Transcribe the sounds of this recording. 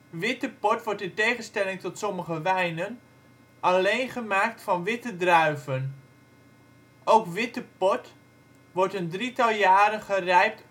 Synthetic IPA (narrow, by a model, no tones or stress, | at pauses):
ʋɪtəpɔtʋɔrtɪtejχənstɛlɪŋtɔtsɔməχəʋɛjnən | ʔalejnχəmaːk̚tfɑnʋɪtədrœɥvən | owkʋɪtəpɔt | ʋɔrtəndritɑlˠjaːɾəχərɛjp̚t